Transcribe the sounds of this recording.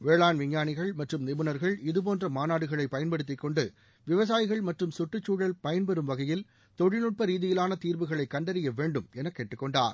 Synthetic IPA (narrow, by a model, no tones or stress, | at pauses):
ʋeːɭaːnʋɪɲːaːɳɪɣɐɭmɐʈrɯmnɪbɯnɐɾɣɐɭɪðɯp̬oːndrɐmaːnaːɽɯɣɐɭɐɪpːɐjɐnpɐɽɯt̪ːɪkːɔɳɖɯ | ʋɪʋɐs̬aːjɪɣɐɭmɐʈrɯmsʊʈːɯt͡ʃːuːɽɐlpɐjɐnpɛɾɯmʋɐɣɐjɪl | t̪ɔɽɪnɯʈ̚pɐɾiːðɪjɪlaːnɐt̪iːɾbɯɣɐɭɐɪkːɐɳɖɐɾɪjɐʋeːɳɖɯmɛnɐkːeːʈːɯkːɔɳɖa̰ːɾ